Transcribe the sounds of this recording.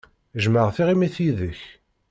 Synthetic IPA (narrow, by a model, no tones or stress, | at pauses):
ʒməʁθiʁimiθiðəç